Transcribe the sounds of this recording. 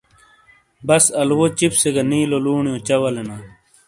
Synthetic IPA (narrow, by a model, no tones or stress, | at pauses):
bɐsɐlwot͡ɕipseɡɐniːloluːɳijõt͡ɕɐwɐlenaː